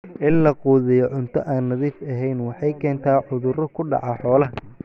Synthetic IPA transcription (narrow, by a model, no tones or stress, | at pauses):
ʔɪnlɐquːðɪjɔʕʊnt̪ʰɔ̰ʔaːnːɐðiːfɐɦɛjnwɑħɑjkʰɛːnt̪ʰaːʕʊðʊɾɔkʰʊɖɑ̰ʕɑħɔːlɐɦɐ